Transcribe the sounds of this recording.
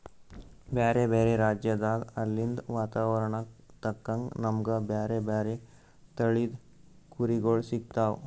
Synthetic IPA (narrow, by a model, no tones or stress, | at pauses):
bjaːɾebaɾeɾaːd͡ʒjəd̪aːɡɐɾlːind̪ʋaːt̪aːʋəɾɳakt̪ɐkːɐ̃ŋɡnɐmɡəbjaːɾebjaɾe | t̪əɭid̪ | kuɾiɡoːɭsik̚t̪aːʋ